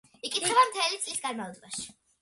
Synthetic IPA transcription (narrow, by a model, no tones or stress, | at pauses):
ikʼit̪χɛbamt̪ʰɛlit̪sʼlisɡaɾmavlˠɔbaʃi̥